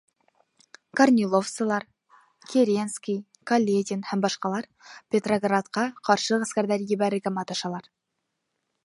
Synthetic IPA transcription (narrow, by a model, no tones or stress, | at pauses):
kornʲilˠofsəlˠɑɾ | kʲʰeɾʲenskʲij | kʰolʲːed̪ʲinhæmbɑʃqɑlˠɑɾ | pʲet̪roɡrat̪qɑqʰɑɾʃəʁæskʲæɾd̪æɾjebæɾɪɡʲæmɑt̪ɑʃɑlˠɑɾ